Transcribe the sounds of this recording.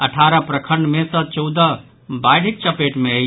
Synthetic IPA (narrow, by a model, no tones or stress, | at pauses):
əʈʰaɾəpɾəkʰəɳɖmesə̃t͡ʃɔwd̪ə | bajɽ̤ik̚t͡ʃəpeʈmeəj